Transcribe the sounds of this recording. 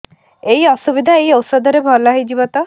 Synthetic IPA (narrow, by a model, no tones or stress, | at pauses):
ejɔsubid̪ʱaejɔwsɔd̪ʱɔɾebʱɔlaɦejd͡ʒibɔt̪ɔ